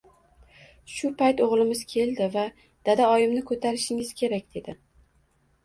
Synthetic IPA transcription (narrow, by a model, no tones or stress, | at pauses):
ʃʊpʰajt̪oʁlˠɪmɪzkʲʰe̞lˠd̪ɪva | d̪̥ad̪aɒjɪmnɪkʰot̪ʰaɾɪʃɪŋɪz̥kʲʰe̞ɾakʲd̪̥e̞d̪ɪ